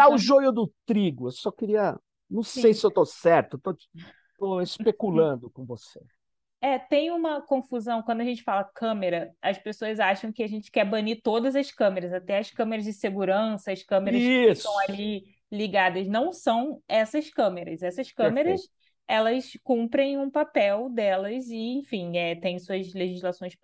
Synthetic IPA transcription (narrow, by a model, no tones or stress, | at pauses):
d̪aʊʒojʊd̪ʊt̪ɾiɡʊewsɔkɪɾiɐ | nɐ̃w̃sejsɪewt̪osɛɾt̪ʊet̪o̥ | t̪oespekulɐ̃nd̪ʊkõvosḛ | ɛt̪ẽj̃ũmɐkõfuzɐ̃w̃kɐ̃d̪ʊɐʒẽnt͡ʃɪ̥falɐkʰɐ̃meɾɐɐspesoɐzaʃɐ̃w̃kɪaʒẽnt͡ʃɪ̥kɛbɐ̃nit̪od̪ɐzɐskɐ̃meɾɐzat̪ɛɐskɐ̃meɾɐzd͡ʒɪseɡuɾɐ̃sɐɐskɐ̃meɾɾɐist̪ɐ̃w̃ali | liɡad̪ɐznɐ̃w̃sɐ̃w̃ɛsɐskɐ̃meɾɐ̰zɛsɐʃkɐ̃meɾɐs | ɛlɐskũmpɾẽj̃ũpapɛwd̪ɛlɐzɪẽfĩɛt̪ẽj̃suɐzleʒizlasõj̃s